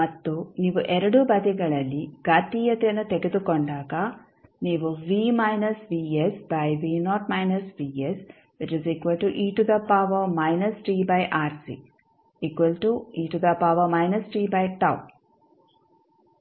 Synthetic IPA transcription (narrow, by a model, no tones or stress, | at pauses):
mɐt̪ːuniːʋuʔɛɾɐɽubɐd̪ɛɡɐɭɐlːiɡaːt̪iːjɐt̪ɛjɐnːut̪eɡed̪ukoɳɖaːɡɐ | niːʋuʋiːmɐjnɐsʋiːesbɐjʋiːnɔːʈmɐjnɐsʋiːes | ʋit͡ʃizikʋɐlʈuʔiːʈud̪ɐpaːʋɐmɐjnɐsʈɾiːbɐjʔaːɾsḭ | ikʋɐlʈuiːʈud̪ɐpaːʋɐmɐjnɐsʈɾiːbɐjʈɐ̰w